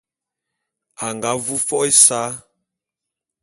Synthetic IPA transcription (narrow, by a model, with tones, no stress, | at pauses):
a˨ŋɡa˨˦vu˦fɔ˦ʔe˦saː˦